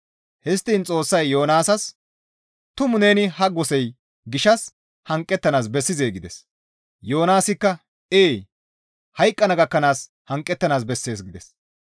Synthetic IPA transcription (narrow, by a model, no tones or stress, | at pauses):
hɛst̪ːiːnt͡sʼo̞ːsːɐjːo̞ːnaːsɐs | t̪ʊmʊne̞ːnɪɦɐɡɔsɛj | ɡɪʃɐs | hɐŋkʼːɛt̪ːɐnaːs̬bɛsːɪze̞ːɡɪd̪ɛs | jo̞ːnaːsɪkːɐ | eː | hɐjkʼːɐnɐɡɐkːɐnaːs | hɐŋkʼːɛt̪ːɐnaːs̬bɛsːe̞ːsɡɪd̪ɛs